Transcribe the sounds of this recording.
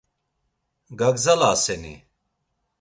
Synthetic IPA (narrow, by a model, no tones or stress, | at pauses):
ɡɐɡzɐlaːsɛnḭ